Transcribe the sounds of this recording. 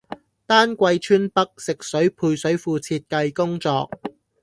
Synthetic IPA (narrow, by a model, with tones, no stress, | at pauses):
t̪aː˥nkʷɐ˧jt͡ʃʰyː˥npɐ˥k̚sɪ˨k̚sɵ˨˥ɥpʰuː˧jsɵ˨˥ɥfuː˧t͡sʰiː˧t̚kɐ˧jkʊ˥ŋt͡sɔː˧k̚